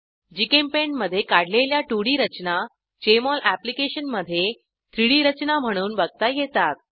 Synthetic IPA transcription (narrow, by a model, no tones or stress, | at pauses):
d͡ʑikempeɳɖməd̪ʱːjekaɽ̤leljaʈuɽiːɾət͡ɕna | t͡ɕemɔlʔæplikeɕənməd̪ʱːje | t̪ʰɾiɽiːɾət͡ɕnam̤əɽ̃uːnbəɡ̚t̪ajet̪at̪̚